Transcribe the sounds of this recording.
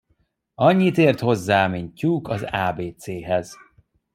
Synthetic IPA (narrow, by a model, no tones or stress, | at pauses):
ɒɲːit̪eːrt̪ho̞zːaːmiɲcːukɒzaːbeːt̪seːɦɛz̥